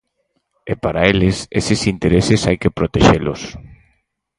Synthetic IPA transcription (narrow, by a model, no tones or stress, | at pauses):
epaɾaelɪsḛsɪsint̪eɾesɪsajkepɾot̪eʃelʊs